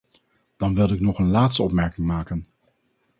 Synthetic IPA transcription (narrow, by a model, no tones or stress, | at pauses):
d̥ɑnʋɪlˠɪknɔχənlaːtstəɔpmɛɹkɪŋmaːkən